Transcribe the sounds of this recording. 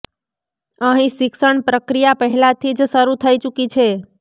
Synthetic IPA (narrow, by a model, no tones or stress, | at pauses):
əɦĩʃɪkʃəɳpɾəkɾijapəɦɛlat̪ʰid͡ʒsəɾut̪ʰəit͡ʃukit͡ʃʰe